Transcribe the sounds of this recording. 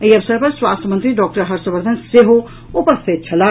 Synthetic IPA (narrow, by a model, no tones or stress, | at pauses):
iɐʋsəɾpɐɾswaːst̪ʰjəmɐ̃nt̪ɾiɖɔːk̚ʈəɾɦɐɾsəʋəɾd̪ʱɐnseɦo | opɐɾset͡ʃʰɐla